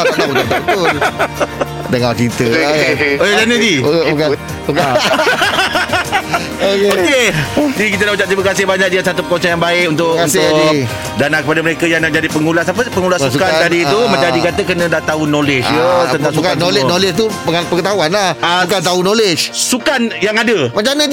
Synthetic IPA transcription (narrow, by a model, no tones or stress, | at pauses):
t | dəŋat͡ʃit̪ə | olanəd͡ʒika | okeokeut̪ikit̪anahut͡ʃaʔ̚t̪ɾimakasɪhbaɲãk̚diasat̪upəkonsajaŋbaɪkunt̪ʊkanʊ | danakəpadaməɾekajaŋnad͡ʒadipəŋulahsapəpəŋulasuskant̪adiːt̪umãt͡ʃadikat̪əkənə̃daht̪aunolet͡ʃət̪ənt̪ãŋsukanolenolɪt͡ʃt̪upəpəŋət̪aɦuanlahaukat̪aunolet͡ʃsukanjaŋadəmat͡ʃanə